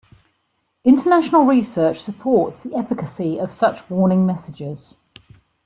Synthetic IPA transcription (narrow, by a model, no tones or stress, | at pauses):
ɪ̃ntʰənaʃənəlˠɹisɜˑt͡ʃsəpʰɔˑtsðiɛfɪkəsiəv̥sʌt͡ʃwɔːnɪ̃ŋmɛsɪd͡ʒɪz̥